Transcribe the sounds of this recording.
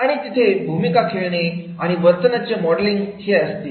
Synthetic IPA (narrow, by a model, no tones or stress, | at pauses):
aɽ̃it̪it̪ʰebʱumikakʰeɭɳe | aɽ̃iʋəɾt̪ənat͡ɕemɔɽliŋɡheəst̪i